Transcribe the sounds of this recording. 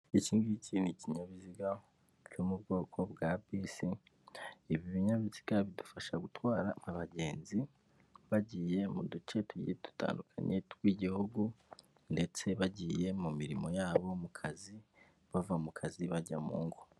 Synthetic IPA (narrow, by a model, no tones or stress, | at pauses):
iciːŋɡiicʰiniciɲaβiziɡa | t͡ʃomubɡo̞ːkʰo̞bɡabisi | iβiβiɲaβizi̥ɡaβidu̥faʃaɡutwaːɾaaβaɟe̞ːnzi | βaɟiːje̞mudut͡ʃe̞tuɟḭjetu̥ta̰ːndukʰa̰ɲʔe̞twiːɟihuɡu | nde̞t͡se̞βaɟiːje̞mumiɾimo̞jaːβo̞mukʰazi | βavamukʰaziβaɟa̰mṵːŋɡo